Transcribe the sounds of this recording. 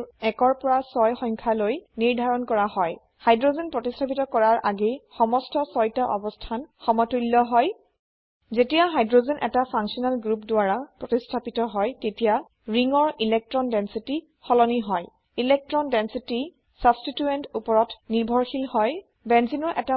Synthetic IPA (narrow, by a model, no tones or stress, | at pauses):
ɛkɔɹpɔɹasɔjxɔjŋkʰalojniɹdʱaɹɔnkɔɹahɔj | hajdɹozɛnpɹɔtistʰapitɔkɔɹaɹʔaɡexɔmɔstɔsɔjtaʔɔbɔstʰanxɔmɔtulːɔɦɔj | zetijaɦajdɹozenʔɛ̰tapʰaŋsiɔnalɡɹupdʊaɹapɹɔtistʰapitɔɦɔjtetija | ɹiŋɔɹilɛk̚tɹɔndɛnsiti | xɔlɔniɦɔj | ilɛk̚tɹɔndɛnsiti | sabstituentupɔɹɔtniɹbʱɔɹxilhɔj | bɛnzinɔɹʔɛta